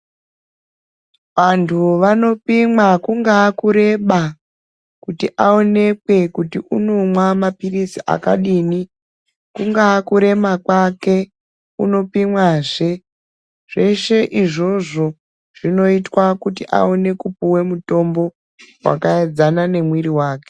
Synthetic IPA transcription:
ʋantʰuʋano̞pimwakuŋɡaːkuɾe̞ɓa | kutiʔao̞ne̞kwe̞kutiʔunomwamapirisiʔa̰kaɗini | kuŋɡaːkuɾe̞makwake̞ | uno̞pimwaʐe | ʐ̥e̞ʃe̞ʔiʐo̞ʐo̞ | ʐ̥ino̞itwakutiʔa̰one̞kupuwe̞muto̞mbo̞ | wa̰kaed͡zanane̞mwiɾiwaːke

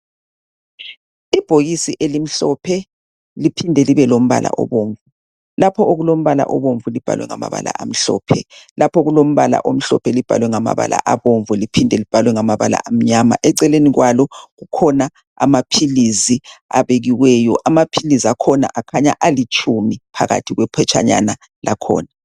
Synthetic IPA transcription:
ib̥ʱoɣisiʔelim̩ɬɔpʰɛ | lipʰindʱɛliβɛlom̩βa̰la̰ʔɔ̰βoːɱvu | lapʰɔoɣulom̩βala̰ʔɔβoɱvulib̥ʱa̰lwɛ̰ŋa̰ma̰βa̰la̰ʔam̩ɬɔ̰ːpʰɛlapʰɔɣulom̩βala̰ʔom̩ɬɔ̰pʰɛlib̥ʱa̰lwɛŋama̰βa̰la̰ʔaβoɱvulipʰindʱɛlib̥ʱalwɛŋamaβala̰ʔam̩ɲama̰ʔɛǀɛleniɣwalɔɣukʰɔna | a̰mapʰiliziaβeɣiwɛːjɔʔamapʰiliziakʰɔna̰ʔakʰaɲa̰ʔalit͡ʃʼʰumipʰa̰ɣa̰tʰiɣwɛpʰɛt͡ʃʰʼa̰ɲa̰na | lakʰɔ̰ːna

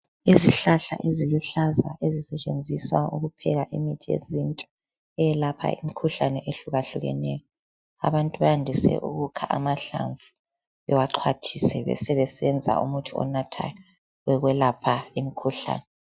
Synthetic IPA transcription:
iziɬaɬa̰ʔeziluɬaza̰ezisɛt͡ʃʼend͡zʱiswauɣupʰɛɣaʔimitʰijḛzintʼɔ | ɛjɛlapʰa̰imikʰuɬanɛʔeɬuɣaɬuɣɛ̰nɛjɔ | aβantʼuβajandʱisɛ̰ʔuɣukʰaʔamaɬa̰ɱvu | ɛwaǃʰwatʰisɛβɛ̰sɛβɛsɛnd͡zʱa̰ṵmutʰuɔ̰natʰa̰jɔ | ɛɣwɛlapʰaimikʰuɬa̰ːnɛ

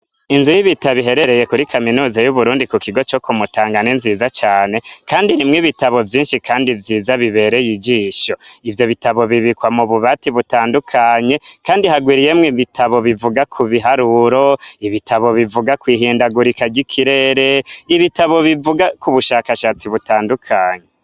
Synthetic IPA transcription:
inzujiβitaβiɦe̞ɾe̞ɾeje̞kuɾikʰaminuːzajuβuɾuːndikukiɡo̞t͡ʃokumutaːŋɡaninziːzat͡ʃaːne̞kaːndiɾimŋiβitaβo̞vjiːnʃikaːndivjiːzaβiβe̞ɾe̞jid͡ʒiːʃo̞ivjo̞βitaβo̞βiβikwamuβuβatiβutaːndukʰaɲe̞kaːndihaɡwiːɾije̞mŋiβitʰaβo̞βivuɡakʰuβiɦaɾuɾo̞iβitʰaβo̞βivuɡakwiːɦiːndaɡuɾikaɟikʰiɾe̞ːɾe̞iβitaβo̞βivuɡakuβuʃaːkaʃaːt͡siβutaːndukʰaːɲe

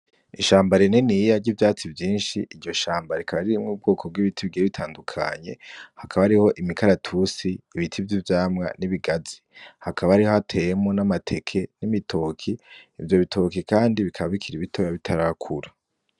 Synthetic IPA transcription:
iʃaːmbaɾenenijaɟivjaːt͡sivjiːnʃiʔiɟo̞ʃaːmbaɾekaβaɾiɾimŋuːb̚ɡo̞ːkʰo̞b̚ɡwiβitʰiβiɡieβitʰaːndukʰa̰ɲe̞hakʰaβaɾiho̞ʔimikʰaɾatʰusiːβitʰivjivjaːmŋa̰niβiɡazi̥hakʰaβaɾiho̞hatʰe̞jemŋo̞namatʰe̞kʰe̞nimitʰokʰiːvjo̞βitʰo̞kikaːndiβikʰaβaβikʰiɾiβitʰojaβitʰaɾakʰuɾa

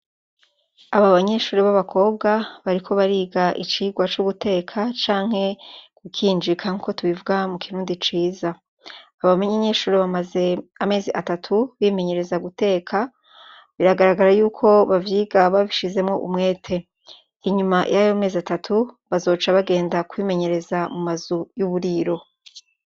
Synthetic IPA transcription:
aβaβaɲe̞ʃuːɾeβaβakʰo̞ːbɡaβaɾikʰo̞βaɾiːɡaʔit͡ʃiɡwat͡ʃuɡutʰe̞ːkʰat͡ʃaːŋhe̞kukʰiːnd͡ʒikʰaŋuko̞tuβivuɡamukiɾuːndit͡ʃiːzaː | βamaɲeɲe̞ʃuːɾeβamaze̞ame̞ːziʔatatʰuβime̞ɲe̞ɾe̞zaɡute̞ːkʰa | βiɾaɡaɾaɡaɾajuːkʰo̞βavjiːɡaβaβiʃize̞mŋo̞ʔumŋe̞ːtʰe̞ | iɲuma̰jajome̞ːziatatʰuβazo̞ːt͡ʃaβaɡe̞ːndakwiːme̞ɲe̞ɾe̞zamumazujuβuɾiːɾo̞

